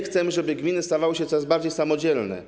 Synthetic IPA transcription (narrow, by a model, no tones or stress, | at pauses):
xt̪sɛmɘʐɛbɘɡmʲinɘst̪avawɘɕɛt̪ɔɾazbaɾd͡ʑejsamɔd͡ʑɛlnɛ̰